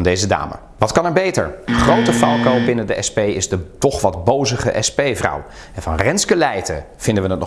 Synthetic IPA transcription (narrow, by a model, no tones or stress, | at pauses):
ndejzəda̰ːmə̰ | ʋɑtkɑnɛɹbejtə̰ɹχrowtəfɑlˠkowbɪnədəʔɛspejɪzdətɔχʋɑdbowzəχə̰ʔɛspejvrʌ̰w | ɛnvɑnrɛnskəlɛjtə̰ | v̥ɪndəʋənətnɔ